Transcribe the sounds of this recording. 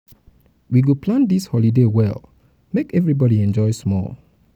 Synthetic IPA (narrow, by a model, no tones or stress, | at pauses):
wiɡuplãndishɔlidewɛ̰lˠ | mekɛvɹibɔɾiɛ̃nd͡ʒɔɪsmɔ̰lˠ